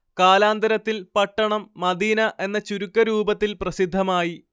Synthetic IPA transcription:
kaːlaːnd̪ɐɾɐt̪ːilpɐʈːɐɳɐmːɐd̪iːnɐʔe̞nːɐt͡ɕuɾukːɐɾuːbɐt̪ːilprɐsid̪ʱːɐmaːji

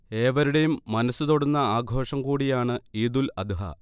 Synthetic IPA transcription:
e̞ːʋɐɾuɽe̞jumːɐnɐsːut̪o̞ɽunːɐaːɡʱo̞ːʂɐmkuːɽijaːɳɨiːd̪ulɐd̪uɦɐ̰

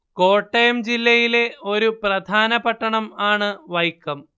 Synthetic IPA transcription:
ko̞ːʈːɐjɐmd͡ʑilːɐjile̞o̞ɾuprɐd̪ʱaːnɐpɐʈːɐɳɐmaːɳɨʋɐjkːɐm

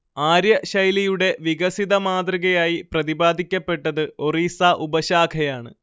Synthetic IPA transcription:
aːɾjɐɕɐjlɐjuɽe̞ʋiɣɐsiðɐmaːd̪riɣɐjaːjiprɐðibaːd̪ʱikʲːɐpːe̞ʈːɐðɨo̞riːsaːʔubɐɕaːkʰɐjaːɳɨ̰

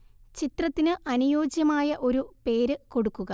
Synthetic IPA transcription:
t͡ɕit̪rɐt̪ːinɨʔɐnujo̞ːd͡ʑjɐmaːjɐʔo̞ɾupe̞ːɾɨko̞ɽukːuɣɐ

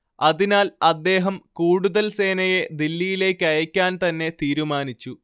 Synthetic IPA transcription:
ɐðinaːlɐd̪ːe̞ːɦɐmkuːɽuðɐlse̞ːnɐje̞d̪ilːijile̞ːkʲːɨɐjɐkʲːaːnt̪ɐnːe̞t̪iːɾumaːnit͡ɕːu

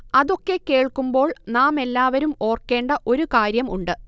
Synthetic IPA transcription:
ɐðo̞kːe̞ke̞ːɭkːumbo̞ːɭnaːme̞lːaːʋɐɾumo̞ːrkːe̞ːɳɖɐʔo̞ɾukaːɾjɐmuɳɖɨ

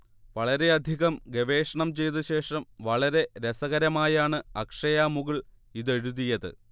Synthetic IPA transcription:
ʋɐɭɐɾe̞ɐd̪ʱiɣɐmɡeʋe̞ːʂɐɳɐmt͡ɕe̞jt̪ɨɕe̞ːʂɐmʋɐɭɐɾe̞ɾesɐɣɐɾɐmaːjaːɳɨɐkʂɐjaːmuɣɐɭ | iðe̞ɻuðijɐðɨ̰

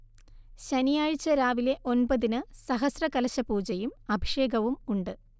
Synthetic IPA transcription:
ɕɐnijaːɻt͡ɕːɐɾaːʋile̞ʔo̞nbɐðinɨsɐɦɐsrɐkɐlɐɕɐpuːd͡ʑɐjumɐbʱiʂeːɡɐʋumuɳɖɨ

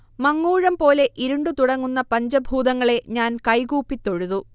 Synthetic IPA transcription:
mɐŋːuːɻɐmpo̞ːle̞ʔiɾuɳɖut̪uɽɐŋːunːɐpɐɲd͡ʑɐbʱuːd̪ɐŋːɐɭe̞ɲaːnkɐjɡuːpːit̪ːo̞ɻuðu

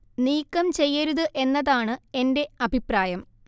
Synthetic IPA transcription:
niːkːɐmt͡ɕe̞jːɐɾuðɨʔe̞nːɐðaːɳɨe̞nde̞ɐbʱipraːjɐm

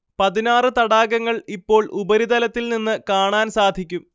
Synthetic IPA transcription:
pɐðinaːrɨt̪ɐɽaːɡɐŋːɐɭipːo̞ːɭʔubɐɾid̪ɐlɐt̪ːilninːɨkaːɳaːnsaːd̪ʱikʲːum

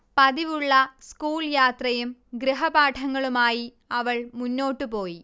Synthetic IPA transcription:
pɐðiʋuɭːɐskuːljaːt̪rɐjumɡɾiɦɐbaːʈʰɐŋːɐɭumaːji | ɐʋɐɭmunːo̞ːʈːɨpo̞ːji

